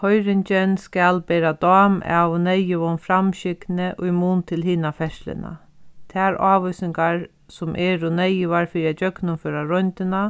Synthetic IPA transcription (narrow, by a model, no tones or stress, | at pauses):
hɔjɾɪnt͡ʃɛnskɛlpɛːɾad̪ɔːma̰wnɛjɪʋɔnfɾamɕɪknɪʔʊjmuːnt̪ʰɪlɦiːnafɛʂlɪ̰na̰ | t̪ʰɛːɾaːʋɔjsɪŋkaɹ | sʊmʔɛːɾʊnɛjɪʋaɾfiːɾiat͡ʃœknʊnføːɾaɾɔjnt̪ɪna